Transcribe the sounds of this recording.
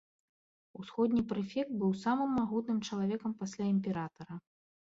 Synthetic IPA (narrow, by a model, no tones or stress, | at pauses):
usxɔd̪ʲnʲipɾɨfʲɛkt̪̚bɨwsamɨmːaɣut̪nɨmt͡ʂɐlˠavʲɛkɐmpasʲlʲaimʲpʲɛɾat̪ɐɾɐ